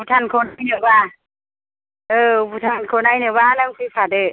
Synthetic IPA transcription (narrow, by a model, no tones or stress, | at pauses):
ut̪ʰankʰoːnjnɯwaː | ʔɤːbut̪ʰankʰoːnajnɯwanaŋpipʰatɯ